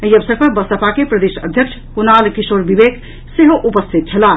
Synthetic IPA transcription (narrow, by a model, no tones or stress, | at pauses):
əjəbsəɡ̚kəbəsəpakepɾəd̪esəd̪ʱjək̚t͡ʃʰkunalkisoɾbibeɡ | seɦoʔupəst̪ʰit̪̚t͡ʃʰəla